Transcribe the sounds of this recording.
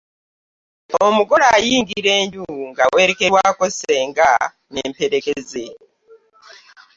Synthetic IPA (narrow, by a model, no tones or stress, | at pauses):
omuɡɔɾajiŋɡiɾenduŋɡaweɾekewakɔseŋɡa | nempʰeɾekɛze